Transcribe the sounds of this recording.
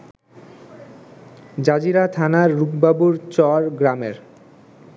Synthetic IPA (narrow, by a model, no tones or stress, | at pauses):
d͡ʑad͡ʑiɾat̪ʰanaɾːukbabuɾt͡ɕɔɾɡɾameɾ